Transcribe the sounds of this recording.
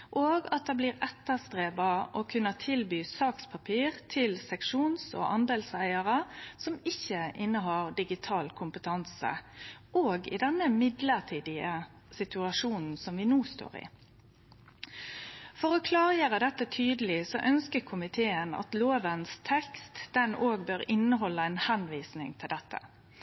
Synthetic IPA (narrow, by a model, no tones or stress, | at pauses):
ʔoːɡɑt̪̚d̪ɛːbliːʁɛt̪ːəst̪ʁeːbɑʔɔkʰʉnːət̪ʰɪlbyːsɑːkspʰɑpʰiːʁt̪ʰɪlsɛkʂuːnsɔ̰ːʔɑnd̪eːlsæɪəʁəsɔmɪçːəʔɪnːəɦɑːʁd̪ɪɡɪt̪ʰɑːlkʰʊmpət̪ʰɑnsə̰ʔoːɡɪ̰d̪ɛnːəmɪd̪ləʁt̪ʰiːd̪ɪə | sɪt̪ʉɑʃuːnn̩sɔmʋɪnuːst̪o̰ːʁɪ̰ː | fɔʁoːkʰlɑːʁjeːʁəd̪ɛt̪ːət̪ʰyːd̪əlɪsɔ̰ʔœnskəkʰʊmɪt̪ʰeːənɑ̰t̪loːʋənst̪ʰɛkst̪d̪̥ɛnoːɡ̚bøːʁɪnːəɦɔlːəæɪnhɛnʋiːsnɪ̰ŋt̪ʰɪld̪ɛt̪ːə̰